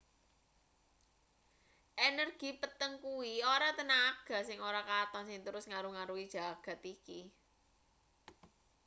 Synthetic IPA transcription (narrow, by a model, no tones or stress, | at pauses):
ʔenərɡ̥i̤pət̪əŋkuwioɾat̪ənaɡ̥a̤sɪŋoɾakat̪ɔnsɪŋt̪əɾʊsŋaɾuŋaɾuid̥ʒ̥a̤ɡ̥ä̤t̪iki